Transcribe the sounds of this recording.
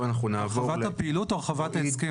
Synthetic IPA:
anaχunavovalhapeilutoʁχavat̪aezki

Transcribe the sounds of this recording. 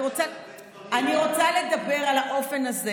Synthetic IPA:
ʁot͡sa | aniʁo̞t͡saled̪abe̞ʁalaʔo̞fe̞naze

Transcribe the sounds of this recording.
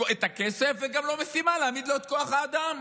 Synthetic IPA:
oet̪akesefveɡamlo̞mesimaleamid̪lo̞et̪̚ko̞aχaːd̪am

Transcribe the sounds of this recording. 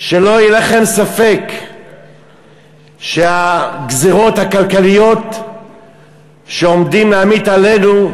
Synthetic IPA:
ʃelo̞jilaχe̞msafe̞k | ʃeaɡziʁo̞t̪hakalkalijo̞t̪ | ʃeomd̪imleamit̪ale̞nu

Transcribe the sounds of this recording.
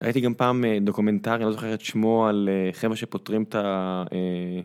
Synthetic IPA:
a̰jit̪iɡampaːmed̪o̞kume̞ntaʁialozoχeʁet̪ʃmoaleχevʁeʃepotʁimt̪ae

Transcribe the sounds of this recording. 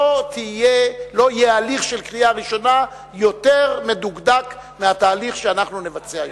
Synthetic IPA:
ot̪ijelo̞ijealiχʃelkʁijaʁiʃo̞na | jo̞t̪e̞ʁme̞duɡd̪ak | meat̪aːliχʃeanaχnune̞vat͡sea

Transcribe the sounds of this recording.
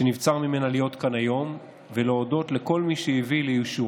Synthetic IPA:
enivt͡saʁmime̞nalijo̞t̪kanajo̞m | veleodo̞t̪le̞ko̞lmiʃejivilejuʃu

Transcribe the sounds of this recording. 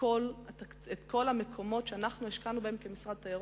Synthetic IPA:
olata | et̪kʰo̞lhamekʰo̞mo̞tʃeanaχnueʃkanubehemkemisʁad̪̚t̪ajaʁ

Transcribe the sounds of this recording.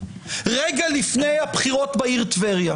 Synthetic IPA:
ʁeɡalifnejhabχiʁo̞t̪baiʁt̪veʁja

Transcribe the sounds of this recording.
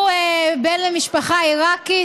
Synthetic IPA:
ebenlemiʃpaχaiʁaki

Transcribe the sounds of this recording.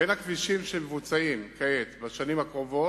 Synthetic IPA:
enakviʃimʃemevut͡saimkaet̪baʃanimakʁo̞vo

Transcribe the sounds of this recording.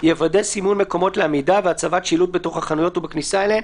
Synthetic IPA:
jevadesimunme̞ko̞mo̞tleamidaveat͡savatʃilut̚beto̞χhaχanujo̞tubeknisaeleen

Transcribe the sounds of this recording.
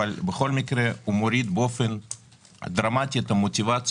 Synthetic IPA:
alʲbeχo̞lmikɾeumoɾid̪bo̞fen | a̰d̪ɾamatʲijat̪ɐmotʲivat̪t͡s

